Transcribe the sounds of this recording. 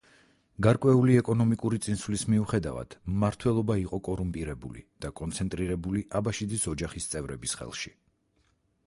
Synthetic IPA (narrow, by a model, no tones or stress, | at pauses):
ɡaɾkʼwɛuliɛkʼɔnɔmikʼuɾit̪sʼinsvlismiuχɛd̪a̰va̰d̪̥maɾt̪ʰwɛlˠɔbaiqʼɔkʼɔɾumpʼiɾɛbṵlḭd̪̥akʼɔnt̪sʰɛnt̪ʼɾiɾɛbuliʔabaʃid̪isɔd͡ʒaχist̪sʼɛvɾɛbisχɛ̰lˠʃi